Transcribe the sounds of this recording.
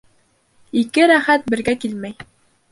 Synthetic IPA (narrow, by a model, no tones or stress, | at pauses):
ikɘɾæχæt̪̚bɘ̆ɾɡækilmæj